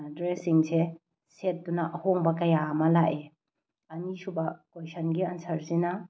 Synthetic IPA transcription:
dɾesiŋse | set̚dunɐʔɐhoŋbɐkɐjaɐmɐlaʔe | ɐnisubɐkojsɐnɡiɐnsʰɐɾsinɐ

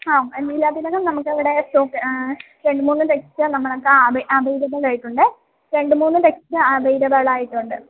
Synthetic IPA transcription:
ɐenːilaːd̪ilɐɣɐmnɐmukːɐʋiɽe̞sʈoːkː | ɾe̞ɳɖɨmuːnːɨɾekt͡ɕːɨnɐmːɐɭokːeabɐʔɐbɐjɾɐbɐlajiʈːuɳɖɨ | ɾe̞ɳɖɨmuːnːɨɾekt͡ɕːɨɐbɐjɾɐbɐɭaːjiʈːuɳɖɨ

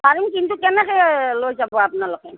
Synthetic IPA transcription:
baɹimkintukɛnɛkɛlojzabɔapʊnalɔkɛ

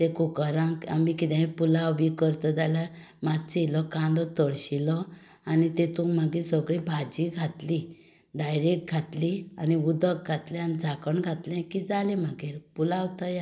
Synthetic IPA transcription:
t̪ekukaɾãka̰mikit̪ɛ̃pulabikəɾt̪ɔd͡zaljaɾ | mat͡silɔkãnd̪ɔt̪əɭɕilɔ | anit̪et̪umaɡisəɡɭibʱad͡ʑiɡʱat̪li | ɖajɾek̚ʈ̚ɡʱat̪lianiud̪ək̚ɡʱat̪lɛ̃anid͡zʱakəɳɡʱat̪lɛ̃kid͡zalẽməɡiɾpulawt̪aja

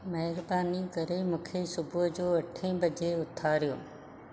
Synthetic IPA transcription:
mɐɦɪɾbaːnikɐɾemʊ̃ːkʰesʊbʱʊd͡ʑoːɐʈʰẽbɐd͡ʑeʊt̪ʰaːɾijo̰ː

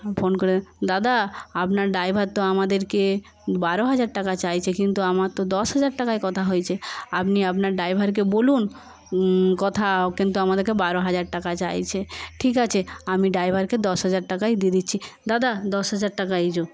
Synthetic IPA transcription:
fʰonkoɾed̪ad̪aapnaɾɖajbʱaɾt̪ːoamad̪eɾke | baɾoɦad͡ʑaɾʈakat͡ɕajt͡ɕʰekint̪uamaɾt̪od̪ɔʃɦad͡ʑaɾʈakajkɔt̪ʰaɦojt͡ɕʰeapniapnaɾɖajbʱaɾk̬ebolun | kɔt̪ʰakint̪uamad̪eɾkebaɾoɦad͡ʑaɾʈakat͡ɕa̰jt͡ɕʰeʈʰik̬at͡ɕʰeamiɖajbʱaɾked̪ɔʃɦad͡ʑaɾʈakajd̪id̪itːɕʰid̪ad̪ad̪ɔʃɦad͡ʑaɾʈakaed͡ʑo

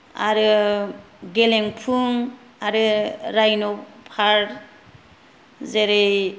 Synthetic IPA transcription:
a̰ɾɯ | ɡeleŋpʰuŋ | aɾɯɾajnɔpʰaɾ | zeɾej

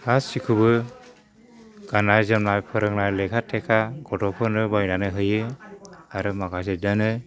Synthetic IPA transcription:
assikʰubɯ | ɡ̥anaɾzɯmnajpʰɯɾɯŋnalekʰatʰekʰaɡɔtɔpʰɯnɯbajnanɯɦɯjɯ | aɾɯmakasɯdanɯ

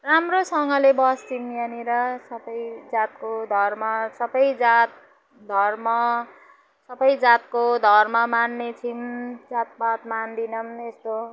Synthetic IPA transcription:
ramrosʌŋɡʌlebʌst͡sʰimjʌniɾʌsʌbʌjd͡zat̪̚kod̪ʱʌrmʌsʌbʌjd͡zat̪̚ | d̪ʱʌrmʌ | sʌbʌjd͡zat̪̚kod̪ʱʌrmʌmanːet͡sʰind͡zat̪̚bat̪mand̪inʌmest̪o

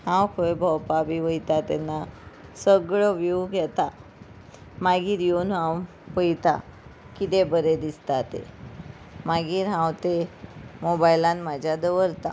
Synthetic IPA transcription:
hãwkʰəebʱəwpabiʋəjt̪at̪ɛnːasəɡɭəʋewɡʱɛt̪a | maɡiːɾjonɦãw | pəjt̪a̰ | kit̪ebəɾed̪ist̪at̪ḛ | maɡiːɾɦãwt̪emobajlãnmad͡ʑʱjad̪əʋəɾt̪a̰

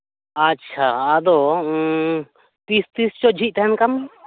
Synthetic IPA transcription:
ɐtːʃʰaːd̪o | t̪ist̪ist͡ʃod͡ʒʱit̪ɛɦɛnkɐm

